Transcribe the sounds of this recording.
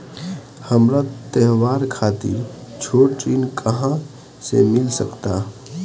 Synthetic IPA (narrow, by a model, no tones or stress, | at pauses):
həmɾat̪ɛɦwaːɾkʰaːt̪ḭɾt͡ʃʰoːʈt͡ʃinkʰəɦã | sḛmɪlsəkt̪aː